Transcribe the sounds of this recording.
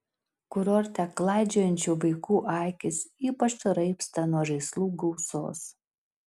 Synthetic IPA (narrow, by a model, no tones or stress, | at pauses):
kʊɾoɾʲt̪ʲɛklˠɑˑɪd͡ʒʲoːjɛnʲt͡ʃʲuːʋɐɪkuːʔɑˑɪkʲɪsiːpɐt͡ʃsʊɾɐɪpst̪ɐnuɔʒɐɪslˠuːɡɔʊso̰ːs